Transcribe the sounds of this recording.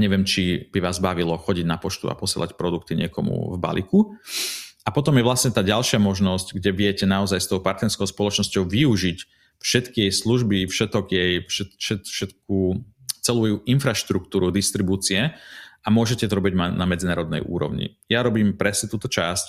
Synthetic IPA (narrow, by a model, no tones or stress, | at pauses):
ɲɛʋɪɛmt͡ʃib̥iʋaːzbaʋilɔxɔɟiɟnapɔt͡ʃt̪ṵa̰pɔsɪɛ̰la̰cpɾɔd̪ukt̪iɲɪɛkɔmṵvba̰lḭku | apɔt̪ɔmjɛʋlasɲɛt̪aːɟalʃɪamɔʒnɔscɡɟɛʋɪɛcɛnaɔzajst̪ɔʊpaɾt̪nɛɾskɔʊspɔlɔt͡ʃnɔscɔʊʋiuʒic | fʃɛt̪kijɛjsluʒbifʃɛt̪ɔɡjɛjfʃɛt̪ʃɛfʃɛt̪k̚uː | t͡sɛluɛjuʔinfɾaʃt̪ɾuk̚t̪uːɾud̪ist̪ɾibuːt͡siɛʔamʊɔʒɛcɛt̪ɔɾɔbiɟmnamɛd͡zinaːɾɔd̪nɛ̰jʔṵːɾɔ̰ʊɲḭ | jaɾɔbiːmpɾɛsɲɛt̪uːt̪ɔt͡ʃasc